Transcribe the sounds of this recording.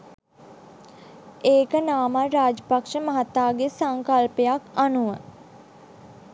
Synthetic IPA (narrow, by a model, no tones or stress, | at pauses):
eːkənaːmaɾaːd͡ʒəpakʂəməɦat̪ːaːɡesaŋkalpejakanuʋə